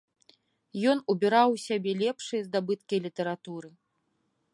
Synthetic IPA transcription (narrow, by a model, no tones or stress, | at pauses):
jɔnubʲiɾawsʲabʲɛlʲɛpʂɨjɐzd̪abɨt̪kʲɐjlʲit̪ɐɾat̪uɾɨ